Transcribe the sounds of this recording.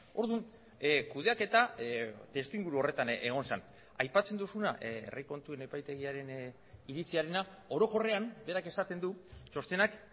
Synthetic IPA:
o̞̰ɾðun | kuð̞e̞ake̞t̪at̪e̞st̪uiŋɡuɾuo̞re̞t̪aneɣ̞o̞nsan | ajpat͡se̞nd̪usunaʔḛriko̞nt̪ue̞ne̞pajt̪e̞ɣ̞iaɾe̞n | iɾit͡siaɾe̞na | o̞ɾo̞ko̞re̞ambe̞ɾake̞sat̪e̞nd̪ut͡ʃo̞st̪e̞nak

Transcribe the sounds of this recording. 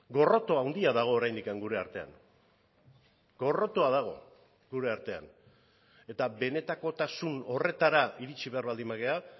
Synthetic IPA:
ɡo̞ro̞t̪o̞awnd̪iaðaɣ̞o̞ːɾajnd̪ikaŋɡuɾe̞aɾt̪e̞a̰ŋ | ɡo̞ro̞t̪oað̞aɣ̞o̞̰ | ɡuɾe̞aɾt̪e̞a̰n | e̞t̪abe̞ne̞t̪ako̞t̪asuno̞re̞t̪aɾaiɾit͡ʃiβe̞aɾβald̪imaɣe̞a

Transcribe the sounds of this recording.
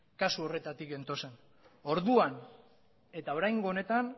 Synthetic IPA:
kasuo̞re̞t̪at̪ike̞nt̪o̞se̞n | o̞ɾðuan | e̞t̪ao̞ɾajŋɡo̞one̞t̪an

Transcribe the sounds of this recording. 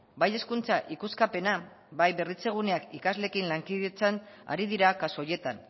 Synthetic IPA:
baje̞skunt͡saʔikuskape̞na | βajβe̞rit͡se̞ɣ̞une̞akikazle̞kinlaŋkiðet͡san | a̰ɾiðiɾakasoje̞t̪an

